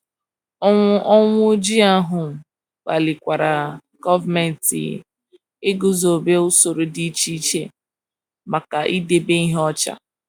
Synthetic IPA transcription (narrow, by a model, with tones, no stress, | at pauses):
ɔ˦ŋʷʊ˦d͡ʒi˦a˦ɦʊ˨m̩˨ | k͡pa˨lɪ˨kʷa˨ɾa˨ | ɡ̥ɔ˦va˨me˨n̩˨tḭ˨ | ɪ˦ɡʊ˦zo˨be˦ʊ˦so˨ɾo˨di˦t͡ʃi˦t͡ʃḛ˦ | ma˨ka˨ʔi˦de˨be˦i˦ɦɔ˦t͡ʃa̰˦